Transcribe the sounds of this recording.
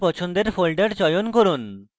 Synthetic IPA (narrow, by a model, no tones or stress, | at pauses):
pɔt͡ɕʰond̪eɾfolɖeɽt͡ɕɔjonkoɾun